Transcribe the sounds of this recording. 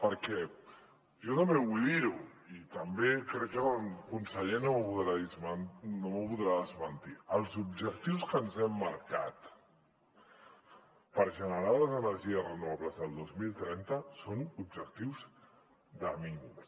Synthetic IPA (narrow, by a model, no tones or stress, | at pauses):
pəɾkɛ | ʒɔt̪əmeβujðiɾu | it̪əmbekɾɛkːəkunsəʎenoməβuðɾaðizmnoməpuðɾaðəzmənt̪iəlˠzubʒək̚t̪iwskənzɛmːaɾka̰t̪ | pəɾʒənəɾaləzənəɾʒiəsrənuβaβləzðəlˠd̪ozmilˠt̪ɾɛnt̪əsonub̚ʒək̚t̪iwz | d̪əmiŋus